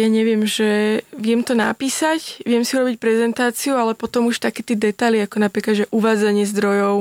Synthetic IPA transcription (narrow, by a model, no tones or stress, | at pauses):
jaːɲɛʋɪɛmʒɛʋɪɛmt̪ɔna̰piːsacʋɪɛmsiuɾɔbic̚pɾɛzɛnt̪aːt͡siualɛpɔt̪ɔmuʃt̪akɛːt̪ɛːd̪ɛt̪ajliakɔnapɾiːkad̪ʒɛʔuʋaːd͡zaɲɪɛzd̪ɾɔjɔʊ